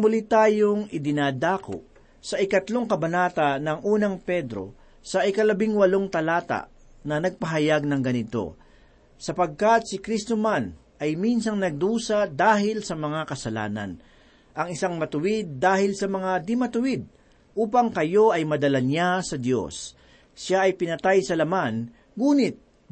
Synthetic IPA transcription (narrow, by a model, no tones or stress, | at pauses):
mʊlit̪aːjoŋɪd̪ɪnaːd̪aːko̰ʔ | sɐʔɪkɐt̪lo̞ŋkɐbɐnaːt̪ɐnɐŋʔuːnɐŋpɛd̪ɾo̞̰ | sɐʔɪkɐlɐbɪŋwɐloŋt̪ɐlaːt̪a̰ | nɐnɐɡ̚pɐɦɐjaɡ̚nɐŋɡɐnɪt̪o̞̰ | sɐpɐɡ̚kɐt̪̚sɪkɾist̪oman | ʔɐjminsɐŋnɐɡ̚d̪uːsɐd̪aːɦɪlsɐmɐŋakɐsɐla̰ːnɐ̰n | ʔɐŋɪsaŋmɐt̪ʊwɪd̪̚ːaːhɪlsɐmɐŋad̪ɪmɐt̪ʊwɪd̪̚ | ʔuːpɐŋkɐjo̞ʔɐjmɐd̪ɐlaɲasɐd̪jo̞̰sː | aɐjpɪnɐt̪ajsɐlɐman | ɡuːnɪt̪̚